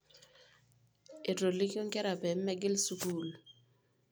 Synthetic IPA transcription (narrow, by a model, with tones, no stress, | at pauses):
ɪ˨to˨li˦kjo˦ŋ˦kɛ˦ɾa˨pɛ˨˦mːɛ˦ɡɪ˦lsu˦kuː˦˨l